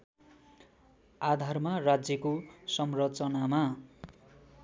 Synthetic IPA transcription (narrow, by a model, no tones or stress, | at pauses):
ad̪ʱarmarad͡zjʌkosʌmrʌt͡sʌnama